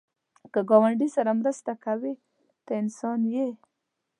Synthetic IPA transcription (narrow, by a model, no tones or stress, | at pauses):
kəɡɑwaɳɖisaɾamɾəst̪akawi | t̪əɪnsɑnje